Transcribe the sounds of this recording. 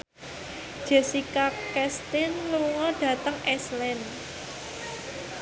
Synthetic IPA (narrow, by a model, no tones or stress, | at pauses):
ʒ̥ɛ̤sikakɛst̪ɪnluŋɔɖ̥ä̤t̪əŋɛslɛn